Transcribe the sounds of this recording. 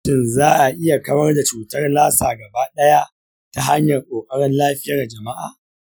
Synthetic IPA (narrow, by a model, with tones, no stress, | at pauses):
ɪ˦˨nzaː˦ʔa˨ʔɪ˦ja˨kɐ˦mɐ˦rda˨t͡ʃuː˨tɐ˦rlaː˦saː˨ɡɐ˨baː˦ɗɐ˦ja˦ʔ | ta˦ɦa˦ɲjɐ˨rkʷʼoː˨kʼɐ˦ɽɪ˦nlaː˦ɸɪ˦ja˦ra˨d͡ʒɐ˨ma˦ʔa̰ː˨